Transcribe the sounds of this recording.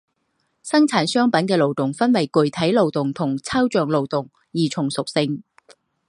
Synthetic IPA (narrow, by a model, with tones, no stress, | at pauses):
sɐ˥ŋt͡sʰaː˨˥nsœː˥ŋpɐ˨˥nkɛː˧lo˨wt̪ʊ˨ŋfɐ˥nwɐ˨˩jkɵ˨˩ɥt̪ʰɐ˨˥jlo˨wt̪ʊ˨˩ŋt̪ʰʊ˨˩ŋt͡sʰɐ˥wt͡ʃœː˨ŋlo˨wt̪ʊ˨˩ŋ | jiː˨˩t͡sʰʊ˨˩ŋsʊ˨k̚sɪ˧ŋ